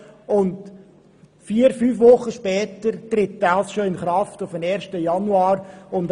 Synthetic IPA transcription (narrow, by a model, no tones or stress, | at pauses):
ʊnd | fiːəɾfyːfʋʊχːəʃpɛːtəɾtɾɪtdalsʃoɪnχɾɑftʊfəmɛːɾʃtəjɑnuɑːɾʊnd